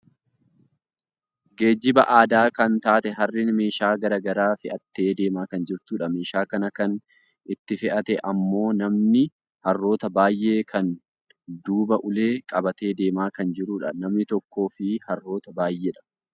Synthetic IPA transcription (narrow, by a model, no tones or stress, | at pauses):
ɡe̞ːd͡ʒːɪbɐʔaːd̪aːkɐnt̪aːt̪ɛɦɐrːɪnme̞ːʃaːɡɐɾɐːɡɐɾaːfɪʔɐt̪ːe̞ːd̪e̞ːmaːkɐnd͡ʒɪɾt̪uːᶑɐme̞ːʃaːkɐnɐkɐn | ɪt̪ːɪfɪʔɐt̪ɛʔɐmːo̞ːnɐmnɪ | hɐrːo̞ːt̪ɐbaːjːe̞ːkʰɐn | d̪uːbɐʔʊle̞ːkʼɐbɐt̪e̞ːd̪e̞ːmaːkɐnd͡ʒɪɾuːᶑɐnɐmnɪt̪ɔkːo̞ːfɪhɐrːo̞ːt̪ɐbaːjːeːᶑɐ̥